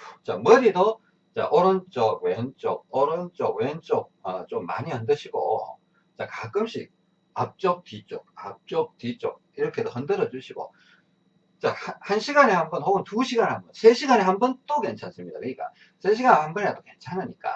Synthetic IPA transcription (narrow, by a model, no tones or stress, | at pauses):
t͡ɕamʌɾido | t͡ɕa̰ʔʌɾʌnt͡ɕ͈ʌɡweɦʌnt͡ɕ͈ok̚ʌɾont͡ɕ͈oɡ̚weʌnt͡ɕ͈ok̚ʌt͡ɕomːa̰ɲihʌndɯɕʰiɡo̰ | t͡ɕakaɡ͈ɯmɕ͈ʰik̚ | ap̚t͡ɕ͈ok̚t͈it͡ɕ͈ok̚ap̚t͡ɕ͈ok̚tit͡ɕ͈ok̚iɾʌkʰe̞dohʌndɯɾʌd͡ʑuɕʰiɡo̰ | t͡ɕahhanɕʰiɡanehambʌnhoɯntuɕʰiɡanhambʌnsʰe̞ɕʰiɡanehambʌnt͈oke̞nt͡ɕʰans͈ɯmɲida̰iik͈a̰ | sʰeɕ̬ʰiɡanehambʌneatoke̞nt͡ɕʰanɯɲik͈a̰